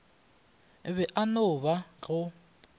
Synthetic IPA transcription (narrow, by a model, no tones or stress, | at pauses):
βɛʔanʊβaɣʊ